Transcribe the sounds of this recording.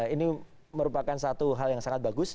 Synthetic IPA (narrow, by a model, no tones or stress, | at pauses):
ini | məɾupakansat̪uɦaljaŋsaŋat̪̚baɡʊs